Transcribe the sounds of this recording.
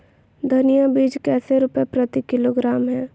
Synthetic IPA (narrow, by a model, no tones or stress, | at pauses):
d̪ʱɐnijabiːd͡ʒkɛːseɾʊpepɾɐt̪ikɪloɡɾaːmɦɛː